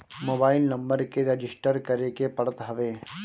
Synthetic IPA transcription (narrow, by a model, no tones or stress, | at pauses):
moːbaːɪlnɐ̃mbəɾkeɾed͡ʒɪsʈəɾkəɾekepɐɽət̪ɦɐʋeː